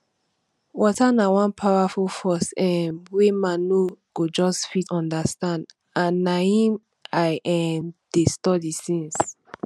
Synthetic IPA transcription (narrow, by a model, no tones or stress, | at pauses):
wɔtanawɔ̃npʰawafulfɔsɛ̃mwemanoɡ̥od͡ʒɔsfitɔ̃ndəstãnd | ãnːaĩm | ajʔɛmd̥estɔdisĩns